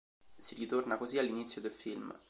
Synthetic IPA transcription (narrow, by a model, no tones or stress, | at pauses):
siɾit̪ornakozialːinit̪sːjod̪elfilm